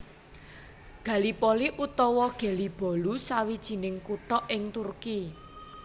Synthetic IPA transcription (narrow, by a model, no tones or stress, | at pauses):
ɡ̥ä̤lipɔliʔut̪ɔwɔɡ̥e̤lib̥ɔ̤lusawid̥ʒ̥i̤nɪŋkuʈɔʔɪŋt̪urki